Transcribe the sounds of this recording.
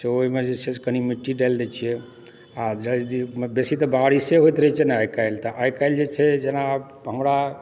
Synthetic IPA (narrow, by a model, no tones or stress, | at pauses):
seoɦimed͡ʒet͡ʃʰed͡ʒkənimiʈːiɖald̪ɛt͡ʃʰijɛ | ad͡ʒəd̪ibesit̪ɔbaɽiseɦojt̪ɾəɦit͡ʃʰɛnaajkajlt̪əʔajkajld͡ʒet͡ʃʰɛd͡ʒena | ɦəmɾa